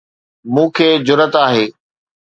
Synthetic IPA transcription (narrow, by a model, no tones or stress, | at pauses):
mũːkʰeːd͡ʑʊɾət̪aːɦeː